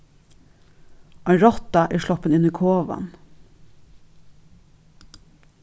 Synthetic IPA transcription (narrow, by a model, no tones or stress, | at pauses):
ɑɪɾɔt̪ɑʔæːɹʃlɔpənɪniːkʰoːʋɑ̰n